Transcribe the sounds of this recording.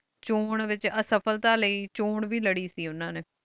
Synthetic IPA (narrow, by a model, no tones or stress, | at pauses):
t͡ʃoːɳʋɪt͡ʃəsəpʰəlt̪aːləiːt͡ʃoːɳʋiːləɽiːsiːʊnãːneː